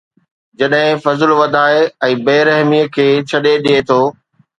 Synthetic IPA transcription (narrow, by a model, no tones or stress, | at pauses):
d͡ʑɐɗɦɪ̃fɐzlʋɐd̪ʱaːeɛ̃ːbeːɾɐɦmiəkʰeːt͡ɕʰɐɗeɗiet̪ʰoː